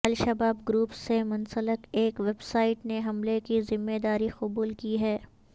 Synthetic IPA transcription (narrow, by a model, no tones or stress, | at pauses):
ɐlʃɐbaːbɡɾuːpsemʊnsəlɪkeːkʋebsaːɪʈneɦɐmlekizɪmːed̪aːɾiqʊbuːlkiɦɛː